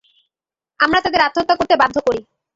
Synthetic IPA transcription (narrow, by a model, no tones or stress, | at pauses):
amɾat̪ad̪eɾat̪ːot̪ːakoɾt̪ebad̪ʱːokoɾi